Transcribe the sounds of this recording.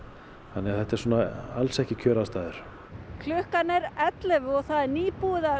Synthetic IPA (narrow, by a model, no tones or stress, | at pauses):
θanːɛɣaθɛht̪aɛɾsuːnaalsɛhcɪcʰœːɾast̪aːðʏɾ̥ | kʰlʏhkanɛɾɛt̪lɛvɔɣθaðɛɾniːpuɪða